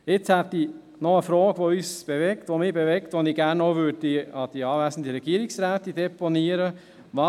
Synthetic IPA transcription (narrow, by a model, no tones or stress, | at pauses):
ɪt͡shɛt̪i | nɔəfɾɔːɡ̥ʋoyːsb̥evɛkt̪ʋomiːbevɛkt̪ʋoniɡæːɾnoʊʋøːddiɑd̥iɑːvæsən̩d̪əɾɛɡ̥iəɾiksɾæːt̪id̥̪ɛponiəɾə | mɑ